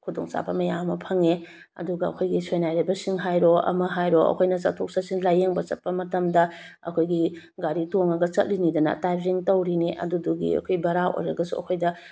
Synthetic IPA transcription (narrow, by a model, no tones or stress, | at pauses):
kʰudoŋt͡ʃa̰bɐmɐjamɐpʰɐŋe | ɐ̰duɡɐɐ̰kʰojɡisojnajɾɐbɐsiŋɦajɾoɐ̰mɐɦajɾoɐ̰kʰojnɐt͡ʃa̰tʰok̚sasinlajeŋbɐt͡ʃɐt̚pːɐmɐtɐmdɐ | ɐ̰kʰojɡi | ɡaɾitoŋɐɡɐt͡ʃɐ̰t̚linidɐnɐ̰tajpziŋtɐwɾiniʔɐ̰duduɡḭɐ̰kʰojbɐɾaʔo̰jɾɐɡɐsṵɐ̰kʰojdɐ